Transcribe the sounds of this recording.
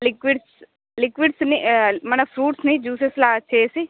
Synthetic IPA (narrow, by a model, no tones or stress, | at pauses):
lɪkʋiɖs | lɪkʋiɖsnimɐnəfʰɾuːʈsnĩd͡ʒuːseslaːt͡ʃʰeːsi